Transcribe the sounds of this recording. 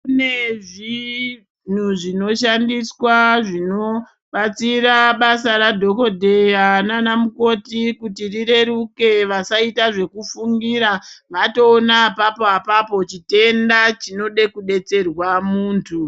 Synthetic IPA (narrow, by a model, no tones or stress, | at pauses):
kuneʐi | n̤uʐino̞ʃandiswaʐino | ɓat͡siɾaɓasaɾadʱo̞ko̞dʱejananamuko̞tikutiriɾe̞ɾuke̞ʋasaitaʐe̞kufuŋɡiɾaʋato̞ːnapapoapapo̞t͡ʃite̞ndat͡ʃino̞ɗe̞kuɗe̞t͡se̞rwamuːntʰu